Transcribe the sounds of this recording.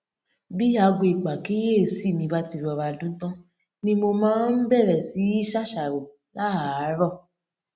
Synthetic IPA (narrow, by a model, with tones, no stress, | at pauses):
bi˦a˨˧ɡo˧˨i˨k͡pa˨ki˦je˦e˦˨si˦˨mĩ˧ba˦ti˧ɾɔ˧ɾa˧˨dũ˦tã˦ | nĩ˧mo˧mãː˦n̩˦bɛ˦˨ɾɛ˨si˨˦i˦ʃa˦ʃa˨ɾo˨ | la˦a˨˦ɾɔ˦˨